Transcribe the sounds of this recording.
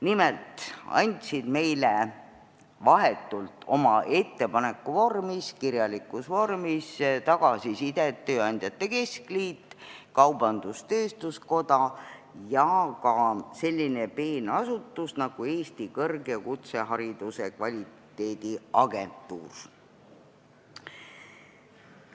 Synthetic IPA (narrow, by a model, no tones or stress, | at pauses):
nimelt̪ˑɑ̰nʲt̪ʲsid̪̥me̞jle | vɑɦe̞t̪ːˑult̪ːˑo̞mɑʔe̞t̪ːe̞pɑne̞kːˑuvo̞rmiskiɾjɑlikːˑusvo̞rmist̪ɑɡ̥ɑsisid̪̥e̞t̪ːø̞ːɑnʲd̪̥jɑt̪ˑːe̞ke̞skliːt̪ːkɑwbɑnd̪̥ust̪ø̞ːst̪usko̞d̪̥ɑ | jɑkɑse̞lʲːine̞pe̞ːnɑsut̪ːˑusnɑɡ̥ue̞ːst̪ikɤrɡekut̪se̞ɦɑɾid̪̥use̞kvɑlʲit̪ːˑ | e̞ːd̪̥iɑɡe̞nt̪ːˑuːr